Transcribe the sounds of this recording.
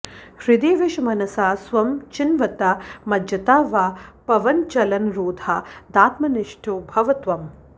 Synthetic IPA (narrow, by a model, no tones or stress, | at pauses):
hɾid̪eːʋiʃmɐnɐsaːsʋɐmt͡ʃinʋɐt̪amɐd̪jɐt̪aːʋaːpɐʋɐnt͡ʃɐlɐnɾoːd̪ʱaːd̪aːt̪mɐniʂʈʰubʱɐʋɐt̪ʋɐm